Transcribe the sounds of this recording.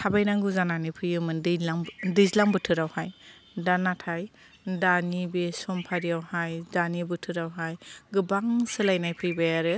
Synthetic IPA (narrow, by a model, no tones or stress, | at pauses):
tʰabajnaŋɡuzananipʰɯjɯmɯndaŋdɯzlaŋbɯtʰɯɾawhaj | danatʰaj | danibesɔmpʰaɾiawhajdanibɯtʰɯɾawɦajɡɯbaŋsɯlajnajpʰɯjbajaɾɯ